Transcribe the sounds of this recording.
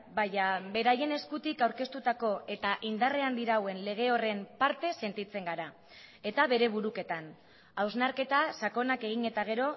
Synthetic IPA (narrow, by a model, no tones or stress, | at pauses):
bajabe̞ɾaje̞ne̞skut̪ikawɾke̞st̪ut̪ako̞ʔe̞t̪aʔind̪are̞and̪iɾawe̞nle̞ɣ̞e̞o̞re̞mpaɾt̪e̞se̞nt̪it͡se̞ŋɡaɾa | e̞t̪aβe̞ɾe̞β̞uɾuke̞t̪an | awznaɾke̞t̪asako̞nake̞ɣ̞iɲe̞t̪aɣ̞e̞ɾo̞